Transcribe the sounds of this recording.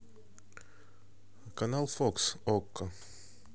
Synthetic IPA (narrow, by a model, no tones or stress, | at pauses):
kɐnalˠfoksokːə